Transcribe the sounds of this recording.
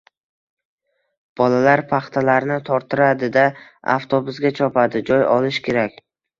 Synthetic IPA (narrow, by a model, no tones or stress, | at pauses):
b̥ɒlalaɾpʰaχt̪ʰalaɾnɪt̪ʰɒɾt̪ʰɪɾad̪ɪd̪aa̰ft̪ʰobʊzɡʲat͡ʃʰɒpad̪ɪd͡ʒɒjɒlˠɪʃkʲe̞ɾakʲ